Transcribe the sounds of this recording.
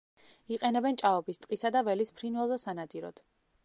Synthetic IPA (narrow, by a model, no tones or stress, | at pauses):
iqʼɛnɛbɛnt͡ʃʼaɔbist̪ʼqʼisad̪avɛlispʰɾinwɛlˠzɛsanad̪iɾɔ̰d̪̥